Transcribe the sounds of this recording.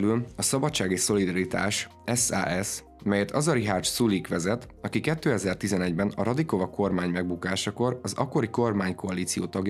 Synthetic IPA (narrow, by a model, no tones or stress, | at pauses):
lylɒsɒbɒtt͡ʃːaːɡeːʃso̞lid̪ɒɾit̪a̰ːʃ | ɛsa̰ːʔɛs | mɛjɛt̪ɒzɒɾiɦaːrt͡ʃsulikʋɛzɛt̪ɒkikɛt̪ːøːɛzɛrt̪izɛnɛɟbɛnɒɾɒd̪iko̞vɒkʰo̞rmaːɲmɛɡ̚bukaːʃɒko̞rɒzɒ̰kːo̞ɾiko̞rmaːɲko̞ɒliːt̪sijo̰ːt̪ɒɡj